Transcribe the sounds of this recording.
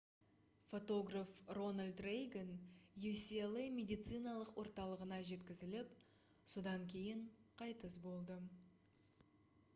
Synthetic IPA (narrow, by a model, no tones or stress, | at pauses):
fo̞t̪o̞ɡrafro̞nalʲd̪rejɡʲenjusʲielˠemʲe̞d̪ijt̪sɨjnɑlˠəqwo̞ɾt̪ɑlˠəʁənɑʒe̞t̪kʲɪzɪlɪp | sod̪ɑŋkʲʰe̞jɪɴqʰɑjt̪əsbo̞lˠd̪ə